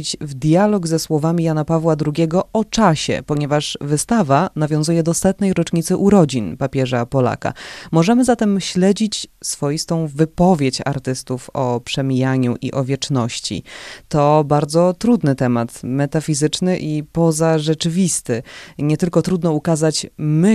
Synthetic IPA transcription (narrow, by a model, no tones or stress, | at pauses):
it͡ɕvd̪jalɔɡzɛswɔvamʲijanapavwad̪ɾuɡʲjɛɡɔɔt͡ʂaɕɛ̰pɔɲɛvaʂvɘst̪avanavʲjɔ̃zujɛd̪ɔst̪at̪nɛjɾɔt͡ʂɲit̪sɘʔuɾɔd͡ʑinpapʲjɛʐapɔla̰ka̰mɔʐɛmɘzat̪ɛmɕlɛd͡ʑit͡ɕsfɔjist̪ɔ̃w̃vɘpɔvʲjet͡ɕa̰ɾt̪ɘst̪ufɔpʂɛmʲijaɲuʔḭʔɔvʲjɛt͡ʂnɔɕt͡ɕḭt̪ɔbaɾd̪zɔt̪ɾud̪nɘt̪ɛmat̪mɛt̪afʲizɘt͡ʂnɘʔipɔzaʐɛt͡ʂɘvʲist̪ɘɲɛt̪ɘlkɔt̪ɾud̪nɔukazat͡ɕmɘ